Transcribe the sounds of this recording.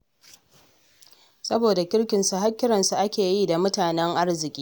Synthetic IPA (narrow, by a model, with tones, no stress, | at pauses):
sɐ˦boː˨da˨kʲɪ˦ɽkʲɪ˨nsu˨ɦa˦kʲːɪ˦ɾɐ˨nsu˨ʔa˦kʲeː˨jiː˦da˨mʊ˦taː˨nɛ˦ŋʔa˦rzɪ˨kʲʼiː˦